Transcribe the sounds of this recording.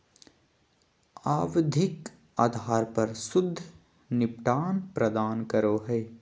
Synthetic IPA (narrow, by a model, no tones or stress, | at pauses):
aːʋd̪ʱɪk | aːd̪ʱaːɾpɐɾsʊd̪ʱː | nɪpʈaːnpɾəd̪aːnkəɾoːɦɛː